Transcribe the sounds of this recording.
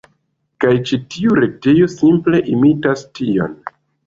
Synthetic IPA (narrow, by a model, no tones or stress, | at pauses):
kajt͡ʃitiuɾe̞te̞jo̞simple̞ʔimitastio̞̰n